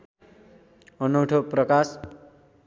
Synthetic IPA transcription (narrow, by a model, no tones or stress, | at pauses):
ʌnuʈʰoprʌkas